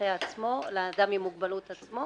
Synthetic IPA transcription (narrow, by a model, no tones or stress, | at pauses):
eat͡smoled̪amimuɡ̚balut̪at͡smo̞